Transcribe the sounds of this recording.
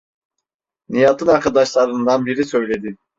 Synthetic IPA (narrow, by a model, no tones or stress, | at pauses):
nijat̪ʰɯnaɾkʰad̪ɑʃlˠɑɾɯnd̪ɑnbiɾisø̞jlʲe̞d̪i